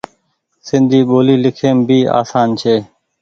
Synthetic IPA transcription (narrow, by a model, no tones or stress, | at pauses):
sɪ̃nd̪ʱiːɓoːliːlɪkʰeːmbʱiːa̰ːsaːnt͡ʃʰeː